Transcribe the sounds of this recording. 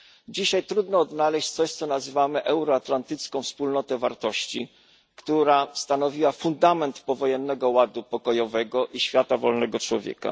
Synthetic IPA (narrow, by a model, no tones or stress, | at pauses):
d͡ʑiɕajt̪ɾud̪nɔːd̪nalɛɕt͡ɕt̪sɔɕt̪sɔnazɘvamɘʔɛwɾɔat̪lant̪ɘt̪skɔ̃w̃fspulnɔt̪ɛvaɾt̪ɔɕt͡ɕi | kt̪uɾast̪anɔvʲiwafund̪amɛnt̪pɔvɔjɛnːɛɡɔwad̪upɔkɔjɔvɛɡɔʔiɕfʲjat̪avɔlnɛɡɔt͡ʂwɔvʲjɛ̰ka̰